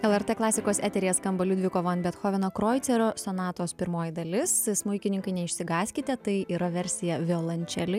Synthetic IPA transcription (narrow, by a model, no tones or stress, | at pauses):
ɛlˠɛɾt̪eklˠɑːsʲɪkoːsæːt̪ʲɛɾʲɪjɛskɐmbɐlʲud̪ʲʋʲɪkoːʋoːnbʲɛt̪xoːʋʲɪnoːkɾoːjt̪sʲɛɾoːsonɑːt̪oːspʲɪɾmoːjɪd̪ɐlʲɪssmʊɪkʲɪnʲɪŋkɐɪnʲɛɪʃʲsʲɪɡɑːsʲkʲɪt̪ʲɛt̪ɐɪiːɾɐʋʲɛɾʲsʲɪjɛʋʲɪolˠɐnʲt͡ʃʲɛlʲɪ